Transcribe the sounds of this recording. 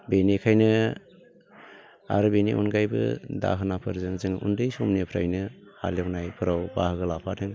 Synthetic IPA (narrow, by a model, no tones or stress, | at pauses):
benikʰajnɯ | a̰ɾɯbenḭʔṵnɡajbɯ̰da̰ɦɯnapʰɯɾzɯŋzɯŋʔundɯjsomnipʰɾa̰jnɯha̰leknajpʰɯɾawbahɯɡɯlapʰatʰɯŋ